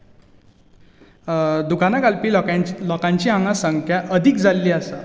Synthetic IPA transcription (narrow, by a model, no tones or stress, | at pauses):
d̪ukanakalpiːlɔkãɲt͡ɕiːãŋɡasəŋkʰjaʔəd̪ʱikd͡zalːiːasa